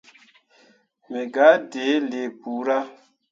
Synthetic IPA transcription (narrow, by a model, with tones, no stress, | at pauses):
mɛ˨ɡa˨˦de˨˦le˨bu˨˦ɾa˦